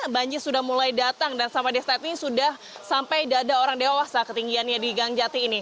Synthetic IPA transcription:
baɲd͡ʒɪrsudahmulajdat̪aŋdansampadɛst̪at̪iŋsudah | sampajdaːdaoɾaŋdewahsahkət̪iŋɡianjadiɡaŋd͡ʒat̪iːni

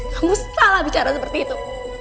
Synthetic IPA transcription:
kamussalabit͡ʃaɾasəpərt̪iːt̪u

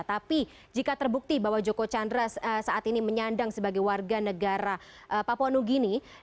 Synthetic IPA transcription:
t̪api | d͡ʒikat̪ərbuk̚t̪ibawad͡ʒokot͡ʃandɾasəsaat̪iniməɲandaŋsəbaɡajwarɡanəɡaɾa | ʔəpaponuɡini

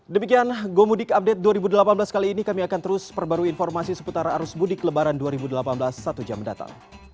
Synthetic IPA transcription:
dəmikianɡomudɪkap̚dɛt̪̚duaɾibudəlapanblaskaliːnikamiakant̪əɾʊspərbaɾuinfɔrmasisə̥put̪aɾaːɾusbudɪkːələbaɾanduaɾibudəlapanblasːat̪ud͡ʒamːənda̰t̪a̰ŋ

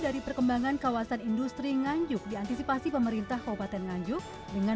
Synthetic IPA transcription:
daɾipərkəmbaŋankawasanindust̪ɾiŋaɲd͡ʒʊk̚diant̪isipasipəməɾint̪ahkaupat̪ɛnŋaɲd͡ʒʊk̚ | dəŋa

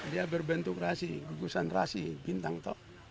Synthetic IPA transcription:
diabɛrbɛnt̪ukrasiɡuɡusanra̰sibint̪aŋt̪o

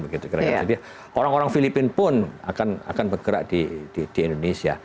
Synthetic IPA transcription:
bəɡit̪ukəɾaɡad͡ʒadi | oɾaŋoɾaŋfilipɪnpʊna̰kana̰kanbərɡ̥əɾa̰ʔdid̥id̥iɛndonesia̰

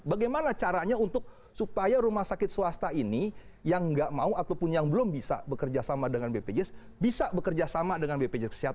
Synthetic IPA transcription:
baɡajmanat͡ʃaɾaɲaunt̪ʊk̚ | supajaɾumahsakɪt̪̚suwast̪aini | jaŋɡaʔmauat̪awpʊnjaŋbəlʊmbisa̰bəkərd͡ʒasamadəŋanbeped͡ʒɛs | bisabəkərd͡ʒasamadəŋanbeped͡ʒɛskə̥siɦat̪̚

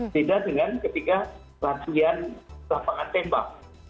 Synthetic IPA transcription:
t̪idaʔdəŋankət̪ika | lat̪ianlapaŋant̪ɛmba̰k̚

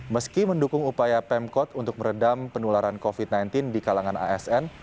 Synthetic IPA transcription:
məskiməndukʊŋupajapɛmkɔt̪unt̪ʊk̚məɾədampənulaɾankofit̪̚najnt̪ɪndikalaŋana̰ɛsɛn

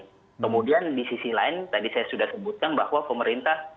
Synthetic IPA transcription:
kəmudiandisisilaɪnt̪adisajasudahsəbut̪̚kanbahwapəməɾint̪ah

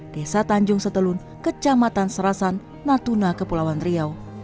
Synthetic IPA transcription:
d̥esat̪aɲd͡ʒʊŋsət̪əlʊn | kət͡ʃamat̪ansəɾasanː | at̪unakəpulawanrɾiaw

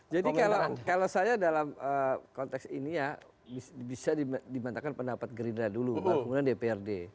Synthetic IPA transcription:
d͡ʒadikalakalawsajadalaməkɔnt̪ɛksinija | bisbisadidimant̪akanpəndapat̪̚ɡɾindadulukakuŋunandepeɛrde

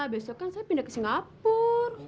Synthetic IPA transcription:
abesɔkansapinəksiŋapur

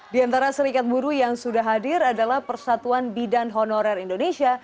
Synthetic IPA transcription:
diant̪aɾasəɾikat̪̚buɾujaŋsudaɦadɪɾadalahpərsat̪uanbidanɦɔnoɾɛrindonesia

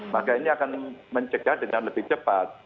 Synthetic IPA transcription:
makainiakanməɲt͡ʃəɡ̥ahdəŋanləbɪht͡ʃəpat̪̚

